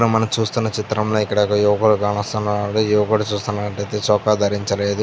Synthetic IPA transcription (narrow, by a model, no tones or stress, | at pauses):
ɽumɐnɐmt͡ʃuːst̪unːɐt͡ʃit̪ɾɐmlo̞ːikːɐɽɐkɐjɛʋɐkːɽuɡaːɳɐst̪unaɽuɛʋɐkoɽɐt͡ʃuːst̪unːaːɐʈɐjt̪eːt͡ʃɔːkaːd̪ʱɐɾiɲt͡ʃɐle̞ːd̪u